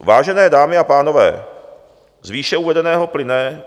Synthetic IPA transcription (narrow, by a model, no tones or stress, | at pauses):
vaːʒɛnɛːdaːmɪapaːnovɛ̰ː | zviːʃɛuːvɛdɛnɛːɦoplɪnɛː